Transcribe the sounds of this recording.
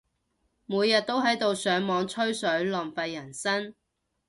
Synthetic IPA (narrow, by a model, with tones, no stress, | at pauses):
muː˨˧jːɐ˨t̚t̪o˥whɐ˨˥jt̪o˨˧wsœː˨˥ŋmɔː˨˧ŋt͡ʃʰɵ˥ɥsɵ˨˥ɥlɔː˨mfɐ˧jːɐ˨˩nsɐ˥n